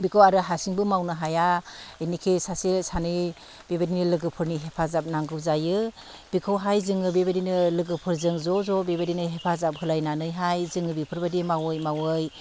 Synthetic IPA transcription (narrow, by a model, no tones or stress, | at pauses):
bikʰɯwaɾɯɦasiŋbɯmawnɯɦajaenikʰisasesanɯj | bebadinɯlɯɡɯpʰɯɾniɦepʰazap̚naŋɡɯwzajɯ | b̥ikʰɯwɦajzɯŋɯbebadinɯlɯɡɯpʰɯɾzɯŋzɔzɔbebadinɯɦepʰazap̚hɯlajnanɯjɦajzɯŋɯbipʰɯɾbadimawɯjmawɯj